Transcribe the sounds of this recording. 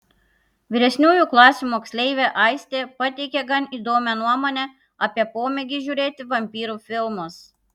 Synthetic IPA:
ʋʲiɾʲɛsʲnʲuːjuˑklˠɑːsʲuːˑmoːksʲlʲɛɪʋʲeːʔɐˑɪsʲt̪ʲeːpɐt̪ʲɛɪkʲɛɡɐniːˑd̪oːmʲɛnuɔmoːnʲɛ | ɐpʲiɛpoːmʲɛɡʲɪʒʲuːɾʲeːt̪ʲɪʋɐmʲpʲiːɾuːfʲɪlˠmʊs

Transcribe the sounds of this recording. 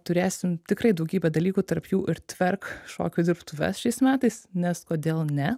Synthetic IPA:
t̪ʊɾʲeːsʲɪmt̪ʲɪkrɐɪd̪ɐʊɡʲiːbʲɛd̪ɐlʲiːkuːt̪ɐrpjuːʔɪɾt̪ʲʋʲɛrkʃo̰ːkʲud̪ʲɪɾpt̪ʊʋʲɛ̰sʃʲɛɪsmʲæːt̪ɐɪsnʲɛskoːd̪ʲeːlˠnʲɛ

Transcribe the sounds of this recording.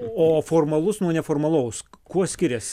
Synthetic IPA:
oːfoːrmɐlˠʊsnuɔnʲɛfoːrmɐlˠɐʊskuɔsʲkʲɪɾʲɛs

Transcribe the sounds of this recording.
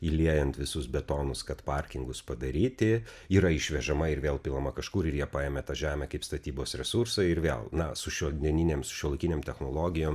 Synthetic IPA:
iːlʲiɛjɛnt̪ʋʲɪsʊsbʲɛt̪oːnʊskɐt̪pɐɾʲkʲɪŋɡʊspɐd̪ɐɾʲiːt̪ʲɪ | iːɾɐɪʃʲʋʲɛʒɐmɐɪɾʋʲeːlˠpʲilˠɐmɐkɐʃkʊːɾɪrjiɛpɑːjeːmʲɛt̪ɑːʒʲæːmʲɛkɐɪpst̪ɐt̪ʲiːboːsɾʲɛsuɾsɐɪɾʋʲḛːlˠnɐsʊʃʲuɔd̪ʲiɛnʲɪnʲeːmsʊ̥ʃʲuɔlˠɐɪkʲinʲeːmtʲɛxnoːlˠoːɡʲɪjoːm

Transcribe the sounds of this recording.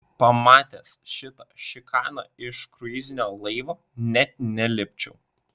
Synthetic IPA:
pɐmɑːt̪ʲesʃʲɪt̪ɐʃʲɪkʰɑːnɑ̰ɪʃkɾʊɪzʲɪnʲoːlˠɐɪʋoː | nʲɛt̪̚nʲɛlʲɪpʲt͡ʃʲɛʊ

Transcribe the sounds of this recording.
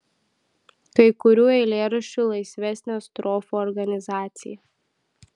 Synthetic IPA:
kɐɪkʊɾʲuːɛɪlʲeːɾɐʃʲt͡ʃʲuːlˠɐɪsʲʋʲɛsʲnʲoːɐst̪ɾɔːfuɔɾɡɐnʲɪzɑːt̪sʲɪ̰jɛ

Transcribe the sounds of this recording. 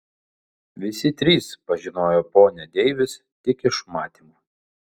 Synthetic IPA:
ʋʲɪsʲɪt̪ʲɾʲiːspɐʒʲɪnoːjoːpoːnʲɛd̪ʲɛɪʋʲɪs | t̪ʲɪkʲɪʃmɑːt̪ʲiːmuː

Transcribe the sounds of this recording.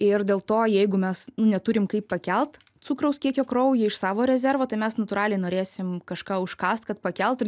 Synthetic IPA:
ɪrd̪ʲeːlˠt̪oːjɛɪɡʊmʲɛsnʊnʲɛt̪ʊɾʲɪmkɐɪppɐkʲɛlˠt̪ | sukɾɐʊskʲiɛkʲoːkɾoʊjɪɪʃsɑːʋoːɾʲɛzʲɛrʋoːt̪ɐɪmʲɛsnɐt̪ʊɾɑːlʲɛɪnoːɾʲeːsʲɪmkɐʃkɑːʊʃkɑːst̪kɐt̪̚pɐkʲɛlˠt̪ɪ

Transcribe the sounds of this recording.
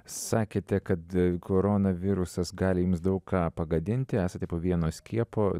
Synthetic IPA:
sɑːkʲeːt̪ʲɛkɐt̪kʰoːɾoːnɐʋʲɪɾʊsɐsɡɑːlʲɪjuːmsd̪ɐʊkkɑːpɐɡɐd̪ʲɪnʲt̪ʲɪæːsɐt̪ʲɛpoːʋʲiɛnoːsʲkʲiɛpoː

